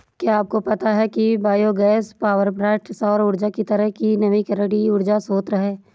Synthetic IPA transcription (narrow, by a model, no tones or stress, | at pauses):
kjaaːp̚kopɐt̪aɦɛkibaːjoɡɛːspaːʋəɾpɾɛːʈsɔːɾʊɾd͡ʒakit̪ɐɾəɦkinɐʋikəɾəɽiʊɾd͡ʒasoːt̪ɾɐɦeː